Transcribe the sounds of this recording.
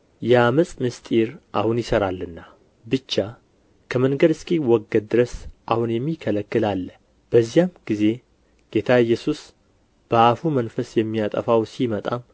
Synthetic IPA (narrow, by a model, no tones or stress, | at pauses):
jɛaməsʼmɨst̪ʼiɾʔahunjɪsəɾalːɨnːa | bɨt͡ʃːa | kʰəmənɡəɾɨskʼiwɔɡːəd̪̚d̪ːɨɾəsʔahunjɛmːikʰələkːɨlalːə | b̥əzːijamɡize̞ | ɡ̥e̞t̪ʰaɛjːɛsus | b̥əafumənfəsjɛmːijat̪ʼə̰fawsimət̪ʼam